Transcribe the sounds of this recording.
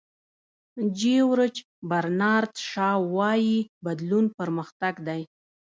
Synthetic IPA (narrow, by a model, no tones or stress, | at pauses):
d͡ʒewɾət͡ʃ | baɾnɑɾt̪ʃɑwɑjibad̪lunpəɾməxt̪aɡd̪aj